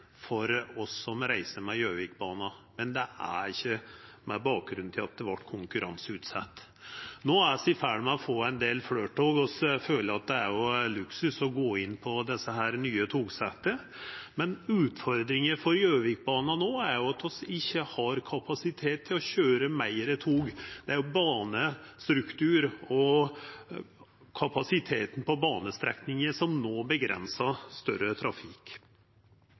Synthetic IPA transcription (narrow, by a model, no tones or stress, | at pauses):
fɔɾɔsːɔmɾæɪsəmɛjøːʋɪk̚bɑːnɑmɛnd̪ɛæ̰ɾɪçːə | mɛbɑːk̚ɡɾʉnt̪ʰɪlɑt̪̚d̪ɛʋɑʈːkʰʊŋkʉɾʔɑ̰nsʉːt̪sɑt̪ː | noːæsɪfæɽmɛɔfoːæɪnd̪eːlfløːʈʰoːɡɔsføːləɑt̪̚d̪ɛæɾjʊlʉksʉsɔɡoːɪnːpʰɔd̪ɛsːəɦæːɾnyːət̪ʰuːɡsɛt̪ːəmɛnʉːt̪fɔɾd̪ɾɪŋəfɔɾjøːʋɪk̚bɑːnɑnoːæɾjʊɑt̪ʰɔsɪçːəhɑɾkʰɑpʰɑsɪt̪ʰeːt̪ʰːɪlɔɕøːɾəmæɪɾət̪ʰuːɡd̪̥ɛæɾjʊbɑːnəst̪ɾʉkt̪ʰʉːɾɔ | kʰɑpɑsɪt̪ʰeːt̪n̩pɔbɑːnəst̪ɾɛ̰knɪŋəʂɔmnoːbəɡɾɛ̰nsɑst̪œ̰ɾət̪ʰɾɑfɪk